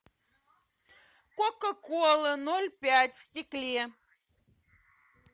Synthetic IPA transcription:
kokəkolˠɨnolʲpʲætʲfsʲtʲiklʲe

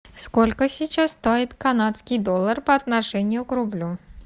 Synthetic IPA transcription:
skɔlʲkəsʲit͡ʃast̪ajɪt̪ʲkanat̪skʲijd̪ɔlˠːɐrpɐɐt̪naʂɛnʲːijʊkɾʊblʲu

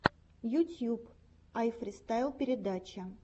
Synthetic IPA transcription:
jʊtʲjup | ajfɾʲɪst̪ajlˠpʲɪɾʲɪd̪at͡ɕɪ

